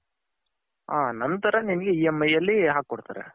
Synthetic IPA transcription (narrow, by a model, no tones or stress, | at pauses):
aːnɐnt̪ɐɾɐninɐɡeiːemːɐjːɐlːiɦaːkːɔɽt̪aːɾḛ